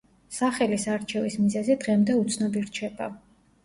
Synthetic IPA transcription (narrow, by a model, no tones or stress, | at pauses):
saχɛlisaɾt͡ʃʰɛvismizɛzid̪ʁɛmd̪ɛut̪sʰnɔbiɾt͡ʃʰɛba̰